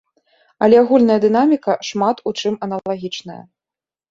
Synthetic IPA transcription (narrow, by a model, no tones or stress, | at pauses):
ɐlʲɛaɣulʲnɐjɐd̪ɨnamʲikɐʂmat̪ut͡ʂɨmɐnɐaɣʲit͡ʂnɐjɐ̰